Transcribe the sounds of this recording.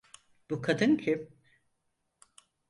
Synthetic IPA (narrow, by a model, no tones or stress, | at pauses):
b̥ukʰad̪ɯncʰɪ